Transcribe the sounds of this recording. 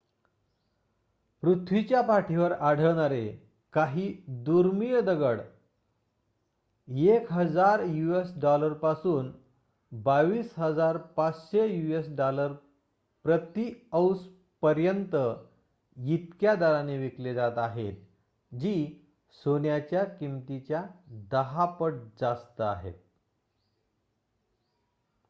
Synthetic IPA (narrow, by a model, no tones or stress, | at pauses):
pɾut̪ʰʋit͡ɕjapaʈʰiʋəɾaɽ̤əʋɽ̃aɾe | kaɦiːd̪uɾmijəd̪əɡəɽ | ekɦəd͡zaɾjuesɖɔləɾpasuːn | baʋiːsɦəd͡zaɾpat͡sɕejuesɖɔləɾ | pɾət̪iəws | pəɾjənt̪ə | jit̪kjad̪aɾaneʋikled͡zat̪aɦet̪ | d͡ʑiː | sonjat͡ɕjakimt̪it͡ɕjad̪əɦapəʈ̚d͡zast̪əaɦḛt̪̚